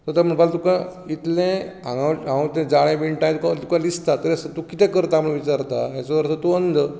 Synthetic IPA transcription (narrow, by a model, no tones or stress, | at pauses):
t̪əɾt̪am̤əɳbalt̪ukãit̪lẽãŋɡãɦãt̪ɛ̃d͡zaɽ̃ẽbiɳʈaj̃t̪ukat̪ukãlist̪at̪əɾəsət̪ukit̪ɛ̃kəɾt̪aːmɭʋit͡ɕaɾt̪aɦjat͡sɔʋəɾt̪ʰat̪uənd̪ə